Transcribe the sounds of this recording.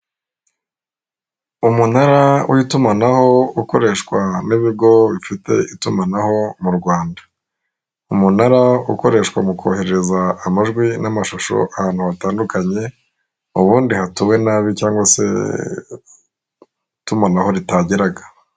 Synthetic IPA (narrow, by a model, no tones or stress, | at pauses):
umunaɾawitumanaho̞uko̞ɾe̞ʃkwaniβiɡo̞βifite̞̰ʔitumanaho̞muɾɡwaːndḁ | umunaɾauko̞ɾe̞ːʃkwa̰mukʰo̞̰ːhe̞ɾeɾe̞zaːmaʒɡwinamaʃuʃo̰ʔahaːn̥huβataːndukaɲe̞ | uβuːndihatuwe̞naːβicaːŋɡwasḛ | tumanaho̞ɾitaɟiɾaɡḁ